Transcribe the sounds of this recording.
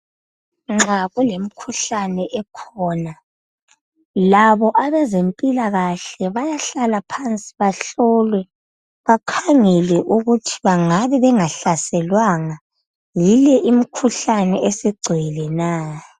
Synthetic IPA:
ŋ͡ǁaɣulem̩kʰuɬanɛʔɛkʰɔːna | laβɔʔaβɛzempʼilaɣaɬɛβajaɬalapʰant͡sʼi̥βaɬɔːlwɛ | βakʰaŋɛlɛʔuɣutʰi̥βaŋaβɛβɛŋaɬasɛlwaŋa | jilɛʔim̩kʰuɬanɛʔesiɡ͡ǀʱilɛnaː

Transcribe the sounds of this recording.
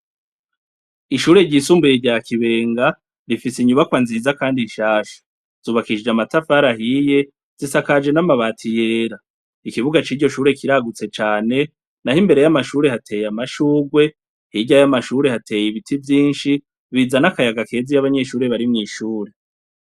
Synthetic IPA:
iʃuːɾe̞ɾɟiːsuːmbujeɾɟaːkiβe̞ːŋɡa | ɾifisiɲuβakwanziːzakaːndiʃaːʃḁ | z̥uːβakiʃd͡ʒamatafaɾaɦije̞ | z̥isakad͡ʒe̞namaβaːtʰije̞ːɾa | ikiβuɡat͡ʃiːɾɟo̞ʃuːɾe̞kiɾaɡut͡se̞t͡ʃaːne̞ | nahimbe̞ɾe̞jamaʃuːɾe̞hatʰe̞ːjamaʃuːɡwe̞ | hiɟajamaʃuːɾe̞hatʰe̞ːjiβitʰivjiːnʃi | βizanakajaɡake̞ːzijaβaɲe̞ʃuːɾe̞βaɾimŋiːʃuːɾe̞

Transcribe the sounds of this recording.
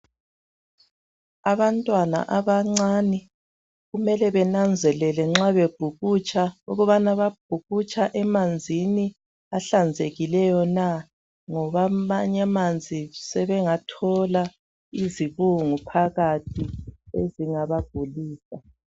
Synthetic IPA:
aβantʼwana̰ʔaβaŋ͡ǀaːnɛ | ɣumɛlɛβɛnand͡zʱɛlɛlɛŋ͡ǁaβeb̥ʱuɣut͡ʃʰʼaṵɣuβanaβab̥̚ʱuɣut͡ʃʼaʔɛmand͡zʱini | aɬand͡zʱeɣilɛjɔna | ŋɔβamaɲamand͡zʱisɛβɛŋatʰɔla | iziβuŋupʰaɣatʰiḛziŋaβab̥̚ʱuliːsa

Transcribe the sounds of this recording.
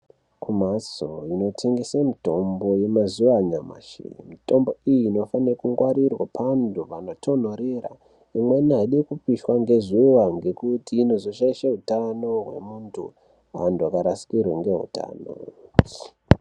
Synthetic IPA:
kʰumasoino̞tʰe̞ŋɡe̞samito̞mbo̞je̞mazuwaɲama̰ʃḭmito̞mbo̞ijiːno̞fanerakuŋɡwaɾirwapʰandʱuʋano̞tʰo̞n̤oɾera̰ | imweniɦaɗekupiʃwaŋɡe̞zuwaŋɡe̞kutiːno̞zo̞ʃaiʃaɦutano̞ɦwe̞̰muntʰṵ | a̰nduakaɾasi̥kirweŋɡe̞ɦṵta̰ːno̰

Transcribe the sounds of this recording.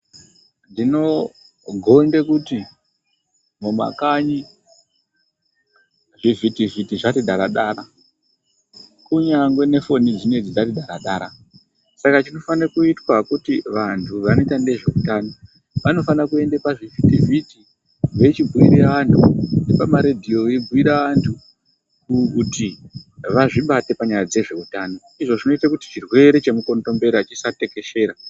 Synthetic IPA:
ndino̞ | ɡʱo̞ndekuti | momwa̰kaɲi | ʐivitivitiʐatiɗʱaɾaɗaɾa | kuɲaŋɡwe̞ne̞fo̞nid͡zine̞d͡zid͡zatiɗʱaɾaɗaɾa | sakat͡ʃino̞fanakuitwakutiʋantʰuʋano̞itande̞ʐe̞utano | ʋano̞fanakue̞ndepaʐifitiviti | ʋe̞t͡ʃibuiɾeaʋantʰṵnepamaɾedʱio̞eb͡vuiɾaʋantʰu | kkutiʋaʐiɓate̞paɲajad͡ze̞ʐe̞utano̞ | iʐo̞ʐino̞itakuti̥t͡ʃirwe̞ɾe̞t͡ʃe̞muko̞nto̞mbe̞ɾat͡ʃisate̞ke̞ʃe̞ːɾa

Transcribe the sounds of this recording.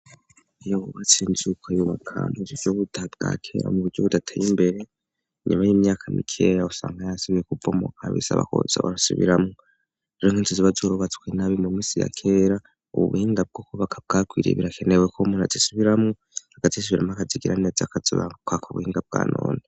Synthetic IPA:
ijoβuβat͡siːnzukʰwajuβakʰa̰muβuɾɟoβudab̚ɡa̰kʰḛɾa̰muβuɾɟoβudatʰajimbe̞ɾe̞ | ɲumajiːmɲaːkʰamḭkʰejausaːŋɡajasimekuvomo̰kʰa̰βḭsa̰βa̰ko̰za̰βa̰ɾasuβḭɾamu | eɾoŋiːnziziβazoɾuβat͡skwenaβimumiːsija̰kʰeɾa | ṵβṵβuhiːŋɡab̚ɡokoβakʰab̚ɡaːkwiːɾḛβiɾakʰenewekʰomuːnazisuβiɾamu | haɡ̥atis̬uβiɾamuakaziɡiɾaneːzakaziβa̰kwakuβṵhiːŋɡab̚ɡa̰ːno̰ːne

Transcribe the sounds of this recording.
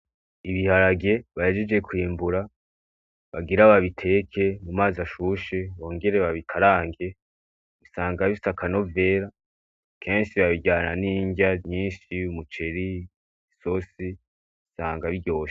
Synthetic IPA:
iβihaɾaɡe̞βahed͡ʒed͡ʒɡe̞kwiːmbuɾa | βaɡiɾaβaβitʰe̞kʰe̞mumaːzaʃuʃe̞βo̞ːŋɡe̞ɾe̞βaβikʰaɾaːŋɡe̞ | βisaːŋɡaβisakano̞ve̞ːɾa | kʰe̞ːnʃiβaβiɟaːnaniːɲɡɟaɲiːnʃiumut͡ʃe̞ɾi | iso̞si | βisaːŋɡaβiɟo̞ːʃe̥

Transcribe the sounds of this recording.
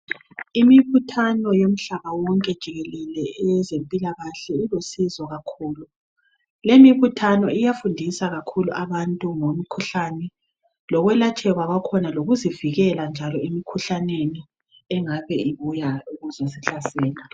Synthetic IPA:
imiβutʰanɔjom̩ɬaβawɔŋkʼɛd̥ʒ̥ʱiɣɛlɛlɛɛzempʼilaɣaɬɛilosizɔɣakʰuːlu | lemiβutʰanɔijafundʱisaɣakʰuluʔaβantʼuŋomikʰuɬanɛ | lɔɣwɛlat͡ʃʼʰɛɣwaɣakʰɔnaloɣuziviɣɛland͡ʒʱalɔimikʰuɬaneni | ɛŋaβɛiβujauɣuzasiɬasɛːla

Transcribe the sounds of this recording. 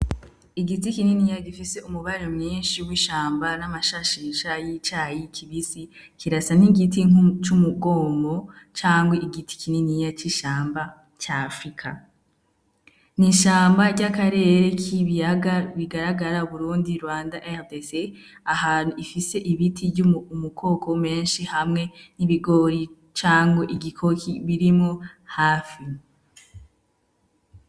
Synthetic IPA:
iɡitikininijaɡifise̞umuβaɾeɾomɲiːnʃiwiʃaːmbanamaʃaʃiːʃajit͡ʃaːjikʰiβisi | kiɾasaniɡitiŋut͡ʃumuɡo̞ːmbo̞t͡ʃaːŋɡweʔiɡitʰi̥kininijat͡ʃiʃaːmba | t͡ʃafɾikʰa̰ | niʃaːmbaɾɟakaɾe̞ːɾe̞kʰiβijaɡaβiɡaɾaɡaɾauβuɾuːndiɾwaːndaʔedese | ahaːn̥uifise̞ʔiβitʰiɟumukʰo̞ːkʰo̞me̞ːnʃihamŋe̞niβiɡo̞ːɾi | t͡ʃaːŋɡweʔiɡikʰo̞kʰiβiɾimŋohaːfi

